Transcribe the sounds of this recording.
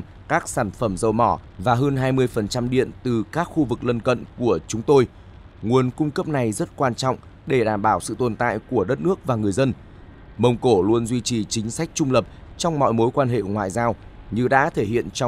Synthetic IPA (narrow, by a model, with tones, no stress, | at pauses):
kaː˦˥k̚saː˧˩nfə˧˩mzə˨˩wmɔ˧˩vaː˨˩ɦəː˧nɦaː˧jmɨ˧əjfə˨˩nt͡ɕa˧mɗḭ˧˨ənt̪ɨ˨˩kaː˦˥k̚xu˧vɨ˨˩k̚lə˧nkə̰˧˨nku˧˩ət͡ɕʊ˨˦ŋ͡mt̪o˧j | ŋu˨˩ənkʊ˧ŋ͡mkə˦˥p̚na˨˩jzə˦˥t̚kwaː˧nt͡ɕɔ̰˧˨wŋ͡m | ɗe˧˩ɗaː˧˩mɓaː˧˩wsɨ̰˧˨t̪o˨˩nt̪a̰ː˧˨jku˧˩əɗə˦˥t̚nɨ˦˥ək̚vaː˨˩ŋɨ˨˩əjzə˧n | mə˧wŋ͡mko˧˩lu˧ənzwi˧t͡ɕi˨˩t͡ɕï˨˦ŋ̟sa˦˥k̟̚t͡ɕʊ˧ŋ͡mlə˨˩p̚t͡ɕɔ˧wŋ͡mmɔ̰˧˨jmo˨˦jkwaː˧nɦḛ˧˨ŋwa̰ː˧˨jzaː˧wɲɨ˧ɗa̰ː˧˥t̪ʰe˧˩hḭ˧˨ənt͡ɕ